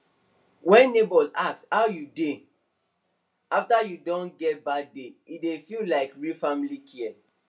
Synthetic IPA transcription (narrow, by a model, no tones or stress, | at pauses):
wɛ̃nːebɔzakshaʊjude | aftajudõnɡɛt̚badeidefillaɪkɹifamilikʰiɛ